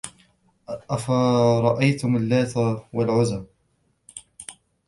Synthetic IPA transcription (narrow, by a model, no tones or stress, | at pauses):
ʔafaɾˤɑʔajt̪ʊmalːaːt̪awalʕʊza